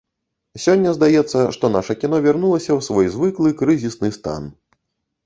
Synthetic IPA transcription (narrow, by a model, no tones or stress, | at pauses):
sʲɔnʲːɐzd̪ajɛt̪sːɐʂt̪ɔnaʂɐkʲinɔvʲɛrnulˠɐsʲɐwsvɔjzvɨklˠɨkɾɨzʲisnɨst̪a̰n